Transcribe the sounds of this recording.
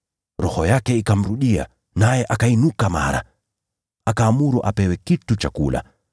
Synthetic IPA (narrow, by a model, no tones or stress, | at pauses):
ɾɔhɔjakɛikam̩ɾuɗia̰ | najɛʔakainukama̰ɾa̰ | akaːmuɾuʔapɛwɛkitut͡ʃakṵla̰